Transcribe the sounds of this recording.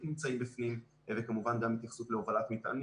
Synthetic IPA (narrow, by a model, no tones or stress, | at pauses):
nimt͡saimbifnim | vekamuvanɡamit̪jaχsut̪leovalat̪mit̪a̰n